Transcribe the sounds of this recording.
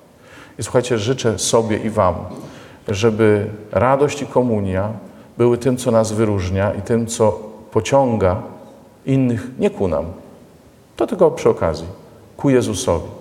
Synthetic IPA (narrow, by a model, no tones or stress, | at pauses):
iswuxajt͡ɕɛʐɘt͡ʂɛsɔbʲjɛʔivam | ʐɛbɘɾad̪ɔɕt͡ɕikɔmuɲjabɘwɘt̪ɘmt̪sɔnasvɘɾuʐɲaʔit̪ɘmt̪sɔpɔt͡ɕɔŋɡa | inːɘxɲɛkuna̰m | t̪ɔt̪ɘlkɔpʂɘɔka̰zʲji | kujɛzusɔ̰vʲi